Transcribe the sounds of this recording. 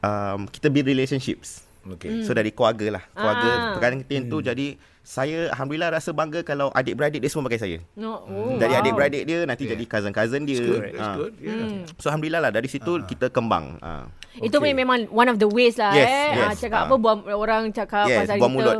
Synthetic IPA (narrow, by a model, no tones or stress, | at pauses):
ʔəmki̥t̪əbiɾileʃənʃip̚s | okesodaɾikuwaɡəlahkluaɡəpəkadankət̪ent̪ud͡ʒadi | sajəaɦamduilahɾasəbaŋɡəkalawʔa̰dɪʔ̚bəɾadɪʔ̚diəsəməpaɡajs̬ajə̰od͡ʒadiadeʔ̚bəɾadeʔ̚diənant̪id͡ʒadikazənkazəndiəə̃ | soaɦamduilahlahdaɾisit̪ukit̪əkəmba̰ŋə̰mit̪upuɲamẽmãŋwãnɔfd̪əweslajɛsɛjɛt͡ʃakaapəbuaoɾaŋt͡ʃakajɛasauamulɔt̪